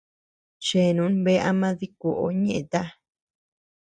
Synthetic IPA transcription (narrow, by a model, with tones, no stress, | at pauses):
t͡ʃe˨nũ˨˦nβe˦ʔa˧mã˦ði˦ku˨ʔo̰˦ɲẽ˦ʔẽ˨t̪a˦